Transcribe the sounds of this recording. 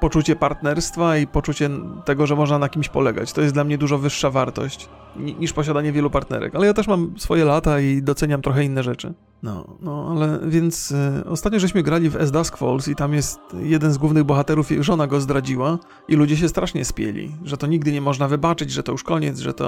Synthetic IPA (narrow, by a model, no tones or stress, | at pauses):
pɔt͡ʂut͡ɕɛpaɾt̪nɛɾst̪faipɔt͡ʂut͡ɕɛt̪ɛɡɔʐɛmɔʐnanakʲimɕpɔlɛɡa̰t͡ɕt̪ɔjɛst̪d̪lamɲɛd̪uʐɔvɘʂːavaɾt̪ɔ̰ɕt͡ɕ | ɲiɲiʂpɔɕ̬ad̪aɲɛvʲjɛlupaɾt̪nɛ̰ɾɛ̰kalɛjat̪ɛʂmamsfɔjɛlat̪aid̪ɔt̪sɛɲamt̪ɾɔxɛinːɛʐɛt͡ʂɘ̰ | nɔ̰nɔalɛvʲjɛnt̪sɔ̰st̪at̪ɲɔʐɛɕ̬mɘɡɾalʲivɛ̰zd̪askfɔ̰lsit̪amjɛst̪jɛd̪ɛnzɡwuvnɘɣbɔxat̪ɛɾufjḭuʐɔnaɡɔzd̪ɾad͡ʑiwa | ilud͡ʑɛɕ̬ɛst̪ɾaʂɲɛspʲjḛlʲḭʐɛt̪ɔɲiɡ̚d̪ɘɲɛmɔʐnavɘbat͡ʂɘd͡ʑʐɛt̪ɔjuʂkɔɲɛ̰t̪zʐɛ̰t̪ɔ̰